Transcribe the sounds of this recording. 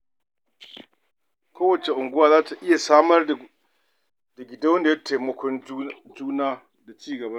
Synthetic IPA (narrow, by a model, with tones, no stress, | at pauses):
kʰʷoː˦wɐ˨t͡ʃe˨ʔʊ˨ŋɡʊ˦waː˦zaː˦ta˨ʔɪ˦ja˨saː˦mɐ˦r | da˨ɡʲɪ˨da˦wɐ˦nda˨ja˦tʰeː˨mɐ˦kʷʰɔ˦nd͡ʒuː˦naː˦ | da˨t͡ʃiː˦ɡɐ˨bɐ˦